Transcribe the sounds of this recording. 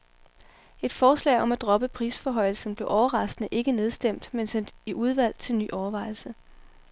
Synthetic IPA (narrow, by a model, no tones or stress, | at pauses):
e̝d̥fɒːslɛ̰ɪɒ̽mæd̥ʁɒ̽b̥əpʰʁiːsfɒɦɒ̽ɪ̰l̩sn̩b̥le̝ʊʔɒʊɐʁɑ̈sd̥nəʔe̝ɡ̥əne̝ð̞ˠsd̥em̰d̥mensen̰d̥iʔuð̞ˠʋæl̰t͡sʰe̝lny̰ːʔɒʊɐʋɑ̈ɪ̰l̩sə